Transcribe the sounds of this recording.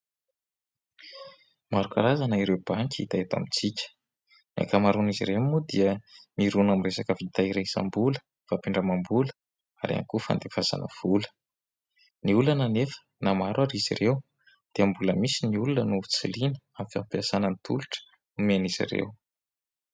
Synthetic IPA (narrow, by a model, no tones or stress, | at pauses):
maɾukaɾazanaiɾewb̥aŋkʲit̪ajt̪a̰mit͡sikʲə̥ | na̰kamaɾuniziɾewmud̪iəmiɾunamiresakəvit̪aiɾeisa̰mbulə̥ | vapiɳɖ͡ʐəmambulə̥ | a̰ɾia̰ŋkufa̰nd̪efaza̰nʔə̰v̥ulə̥ | niulanənefə̥namaɾwaɾizḭrew | d̪̥iəmbuləmisiniulunənut͡silinə̥amifampiasanənit̪ʰṵluʈ͡ʂə̥ | umeanizḭɾḛw